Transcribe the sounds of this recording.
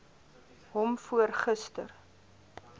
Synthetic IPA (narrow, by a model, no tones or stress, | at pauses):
ɦɔmfuərχəstə̰r